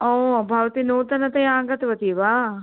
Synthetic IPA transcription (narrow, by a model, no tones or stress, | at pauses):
oːbʱɐʋt̪inoːt̪ɐnɐt̪ɐjãːɡɐt̪ʋɐt̪iʋaː